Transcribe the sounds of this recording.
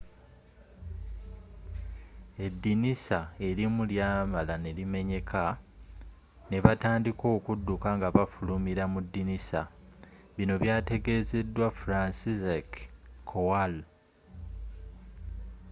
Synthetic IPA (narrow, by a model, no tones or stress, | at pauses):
e̞dːinisae̞ɾimuljaːmalane̞lime̞ɲe̞kʰa | ne̞βataːndiko̞ːkudːukaŋɡaβafulumiɾamudːinisa̰ | βino̞βjaːte̞ɡe̞ːze̞dːwafuɾansizekkʰːowal